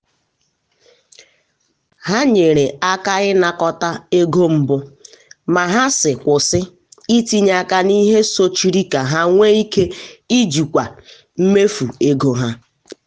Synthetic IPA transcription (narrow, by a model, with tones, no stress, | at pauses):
ɦa˦ɲe˨ɾe˨a˦ka˦ɣɪ˦na˨kɔ˦ta˦e˦ɡo˦m̩˦bʊ˦ | ma˨ɦa˦sɪ˨kʷʊ˨sɪ˦ | i˦ti˦ɲa˨ka˦ni˦ɦe˦so˦t͡ʃi˦ɾi˦ka˨ɦa˦ŋʷe˦i˦ke˦i˦d͡ʒu˨kʷa˨ | m̩˦me˦fu˨e˦ɡo˨ɦa˦